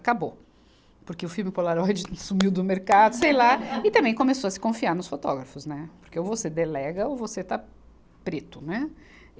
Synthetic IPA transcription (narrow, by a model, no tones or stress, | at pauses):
kabo | pʊɾkeʊfiwmɪpolaɾɔjd͡ʒɪsumiwd̪ʊmeɾkad̪ʊsejlaɪt̪ɐ̃mbẽj̃kõmesoɐsɪ̥kõfiaɾnʊsfot̪ɔ̰ɡɾɐfʊznɛpoɾkeovosed̪elɛɡɐovoset̪a | pɾet̪ʊnɛ